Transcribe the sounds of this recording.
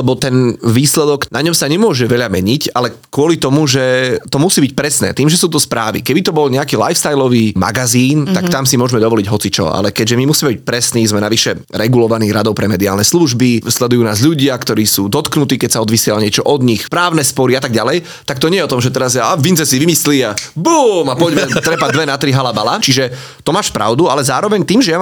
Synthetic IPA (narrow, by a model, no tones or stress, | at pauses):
lɛbɔt̪ɛnʋiːslɛd̪ɔknaɲɔmsaɲɛmʊɔʒɛʋɛʎamɛɲicalɛkʊɔlit̪ɔmuʒɛt̪ɔmusiːbic̚pɾɛsnɛ̰ːt̪iːmʒɛsuːt̪ɔspɾaːʋḭkɛbit̪ɔbɔlɲɛakiːla̰jfst̪ajlɔʋiːma̰ɡaziːnt̪akt̪amsimʊɔʒmɛd̪ɔʋɔliɟɦɔt͡sit͡ʃɔ̰a̰lɛkɛɟʒɛmimusiːmɛbic̚ʲpɾɛsniːzmɛnaʋiʃɛ | ɾɛɡulɔʋaniːɾad̪ɔʊpɾɛmɛd̪iaːlnɛsluʒbislɛd̪ujuːnaːzʎuɟɪakt̪ɔɾiːsuːd̪ɔt̪knut̪iːkɛcsaɔd̪ʋisɪɛlɲɪɛt͡ʃɔʔɔd̪ɲixpɾaːʊnɛspɔɾiat̪aɡɟalɛj | t̪ak̚t̪ɔɲɛjɛɔt̪ɔmʒɛt̪ɛɾazaavint͡sɛsiʋimisliːabuːmapɔɟmɛt̪ɾɛpad̪ʋɛnat̪ɾiɦalabalat͡ʃiʒɛ | t̪ɔmaːʃpɾa̰ʊd̪ualɛzaːɾɔʋɛɲt̪iːmʒɛja